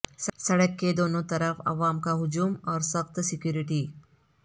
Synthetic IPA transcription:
ssɐɽəkːed̪oːnõt̪ɐɾəfɐ̰ʋaːmkaɦʊd͡ʒuːmɔːɾsɐxt̪sɪkjuːɾiʈiː

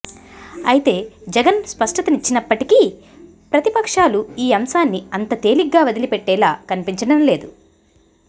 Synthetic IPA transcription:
ɐjit̪e̞ːd͡ʒɛɡɐnspɐʂʈɐt̪ɐnit͡ʃːinɐpːɐʈiki | pɾɐt̪ipɐkʂaːluiːɐmsaːnːiɐnt̪ɐt̪e̞ːliɡːaːʋɐd̪ilipɛʈːɛːlaːkɐnipiɲt͡ʃɐɽɐmle̞ːd̪u

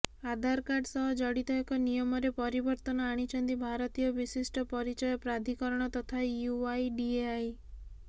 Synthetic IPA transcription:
ad̪ʱaɾkaɾɖsɔɦɔd͡ʒɔɽit̪ɔekɔnijɔmɔɾepɔɾibɔɾt̪ɔnɔaɽ̃it͡ʃɔnd̪ibʱaɾɔt̪ijɔbisisʈɔpɔɾit͡ʃɔjɔpɾad̪ʱikɔɾɔɽ̃ɔt̪ɔt̪ʰajuajɖieaj

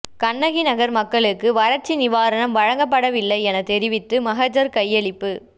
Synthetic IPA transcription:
kɐɳːɐɣinɐɣɐɾmɐkːɐɭɯkːɯʋɐɾɐɾt͡ʃːinɪʋaːɾɐnɐmʋɐɻɐŋɡɐp̬ːɐɽɐʋɪlːɐɪɛnɐt̪ɛɾɪʋɪt̪ːɯmɐɦɐd͡ʒɐɾkɐjːɛɭɪpːɯ

